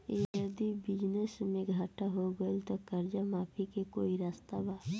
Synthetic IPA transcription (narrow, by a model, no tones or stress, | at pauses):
jəd̪ibɪd͡ʒnəsmẽɡʱaːʈaɦoɡəlt̪okəɾd͡ʒamaːpʰikekoːiɾaːst̪abaː